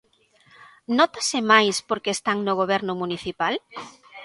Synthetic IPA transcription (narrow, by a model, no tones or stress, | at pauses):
nɔt̪asɪmajspoɾkest̪aŋnoɣoβ̞ɛɾnʊmuniθipal